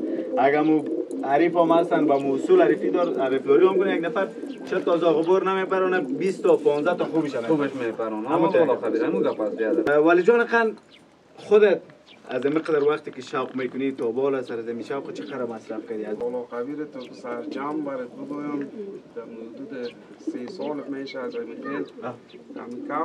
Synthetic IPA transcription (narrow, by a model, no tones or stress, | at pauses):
aɡaːmuaɾifɔmast̪anbamusulaɾifid̪ɔɾaɾɪfd̪ɔɾiɔmkʊnajaɡnafaɾ | t͡ʃʰɛt̪ɔzɔʁʊbɔɾnamepaɾɔnabist̪ɔpɔnzat̪ɔxubiʃad̪aubʃmepaɾɔnamut̪lɔqabiɾamuɡapasbiad̪awalɪd͡ʒɔnɪqan | χʊd̪et̪̚ | a̰zamiqad̪aɾwaqt̪ekɪʃawqmekʊnit̪ɔbɔlasaɾazamiʃawqɪt͡ʃʰɪ̥qad̪aɾmasɾafkad̪iazbɔlɔqabiɾɪt̪ɔkɪsaɾd͡ʒambaɾɪt̪̚bʊd̪ɔjamd̪̥aɾʊd̪ud̪ɪ | sesɔlmeʃaːzamibet̪a̰mikʰa